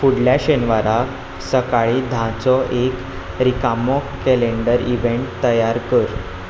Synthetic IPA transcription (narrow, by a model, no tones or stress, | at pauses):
fuɽljaɕenʋaɾa | səkaɭiːd̪ʱãt͡sɔʔek | ɾikamɔkkeleɳɖəɾiʋeɳʈt̪əjaɾkəɾ